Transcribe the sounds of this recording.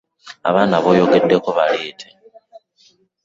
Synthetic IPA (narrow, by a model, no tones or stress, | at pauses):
a̰βaːnaβo̞ːjo̞ɡe̞dːe̞koβaliːtʰe